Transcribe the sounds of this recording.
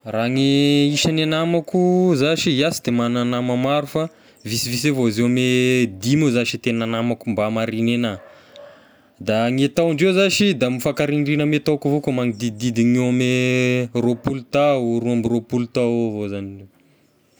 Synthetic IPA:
raŋiiʃananamakuzaʃiiasid̪emananamamaɾufa | visivis̬evozewamed̪imuzaʃit̪enanamakumbamaɾinena | d̪aŋet̪awɳɖ͡ʐewzaʃid̪amifakaɾinrinəmet̪awkuvokomaŋid̪id̪id̪iŋeameropulut̪aɾuambiropulut̪avozanie

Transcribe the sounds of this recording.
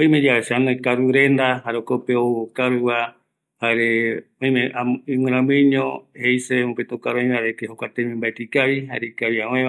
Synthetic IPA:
oj̃mẽd͡ʒawesanoikaɾuɾend̪aɦaɾokopeookaɾɨwa | haɾeõĩmẽaimĩɾãmɨ̃ɲõhejsemũpet̪okaɾoj̃aɾet̪eɦokʷat̪emẽmbaet̪ikaβiɦaɾekaβiãwẽa

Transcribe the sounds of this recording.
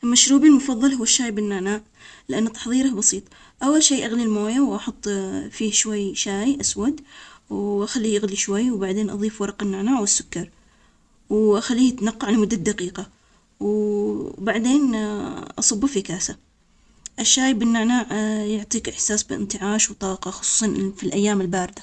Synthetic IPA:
ʔlmaʃɾuːbilmʊfɑðˤːɑlhʊwːaʃːaːjbɪnːaːnaːʕ | lɪʔanːat̪ɑ̥ħðˤiːɾahbɑsiːt̪ˤ | ʔawːalʃeːʔaɣlilmoːjawʔɑħʊt̪ˤːfiːhʃwajʃaːjʔaswad̪wʔaxalːiːʔaɣliʃwajːwbaʕd̪eːnʔɑ̰ðˤiːfwɑɾˤɑqɪnːaːnaːʕwɪsːʊ̥kːɑɾˤ | wʔaxalːiːt̪naqːɑʕlmʊd̪ːad̪aqiːqa | w | baʕd̪eːnʔɑsˤɑbːfikaːsa | ʔɪʃːaːjbɪnːaʕnaːʕjʊʕt̪ˤiːkɪħsaːsbɪɪ̰nt̪ɪʕaːʃwt̪ˤɑːqɑxʊ̥sˤu̥ːsˤɑnfilʔajːaːmɪlbaːɾɪd̪a

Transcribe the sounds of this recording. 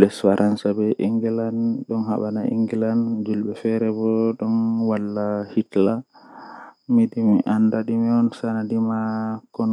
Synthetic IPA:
lɛsfaɾʔansabɛʔiŋɡɛlanɗɔnha̰ɓanaḭŋɡɛland͡ʒulɓɛfɛɾɛbɔɗɔnwalːahitla | midimiʔandaɗimiɔnsanadimakɔn

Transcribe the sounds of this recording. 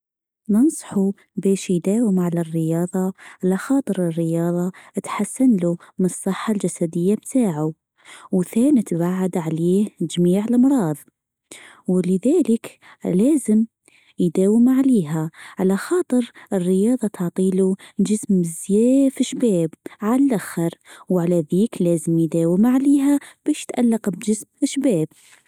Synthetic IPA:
nɑnsˤɑ̥ħu | beːʃjd̪aːwɪmʕalarːɪjɑːðˤɑʕalaxɑːt̪ˤɨɾɪrːɪjɑːðˤɑt̪ħasːanlumɪnɨsˤːɨħːald͡ʒasad̪ɪjːabt̪ʰaːʕu | wθæːnit̪baʕad̪ʕaleːhd͡ʒmiːʕɪlʔɑmɾˤɑːðˤ | wlɪðaːlɪk | laːzɪm | jd̪aːwɪmʕaleːɦaʕalaxɑːt̪ˤɨɾʔɪrːɪjɑːðˤɑt̪ɑʕt̪ˤiːlud͡ʒɪsmzjaːfɪʃːbaːbʕalʔaxːɑɾwʕalaðiːklaːzɪmjd̪aːwɪmʕaleːɦab̥aːʃt̪ʔalːɑqbd͡ʒɪsmɪʃːbaːb̥̚

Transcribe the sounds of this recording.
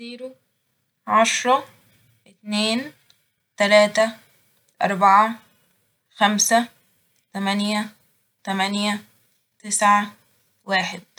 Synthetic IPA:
ziːɾu | ʕaʃɾˤɑ | ʔɪt̪neːn | t̪ælaːt̪a | ʔɑ̰ɾˤbaʕa | xamsa | t̪amænja | t̪amænja | t̪ɪsʕa | waːħɪd̪̚

